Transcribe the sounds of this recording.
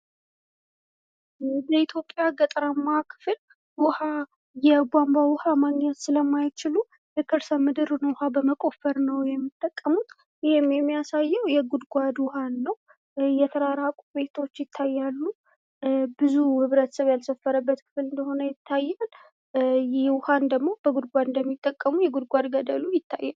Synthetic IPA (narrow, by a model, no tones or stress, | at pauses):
dəit̪ʰjo̞pʼːjaɡət̪ʼɾəmːakʰɨ̥fɨl | wʊha | jɛɡʷambawʊhamaɡɲɛt̪sɨləmːajt͡ʃɪlu | jɛkʰɨɾsəmɨd̪ɨɾnwhabəməkʼo̞fəɾnəwjɛmːit̪ʼːəkʼːəmut̪ | jɪhɪmjɛmːijasajːɛwjɛɡud̪ɡʷad̪wʊhanːəw | jɛt̪ʰəɾaɾakʼube̞t̪ʰo̞t͡ʃːjɪt̪ʰːajːalːu | bɨzuhɨβɾət̪ʰəsəβjalsəfːəɾəbːət̪kʰɨ̥fɨlɨnd̪əho̞nəjɪt̪ʰːajːal | jwʊhand̪əɡmo̞bəɡud̪̚ɡʷad̪ɨnd̪əmːit̪ʼːəkʼːəmujɛɡud̪̚ɡʷad̪ɡəd̪əlujɪt̪ʰːajːal